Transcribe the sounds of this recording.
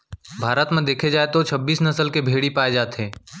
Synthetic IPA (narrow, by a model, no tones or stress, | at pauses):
bʱaːɾət̪mẽd̪eːkʰed͡ʒaːet̪ot͡ʃʰɐbːiːsnəsəlkebʱeːɽipaːed͡ʒaːt̪ɦeː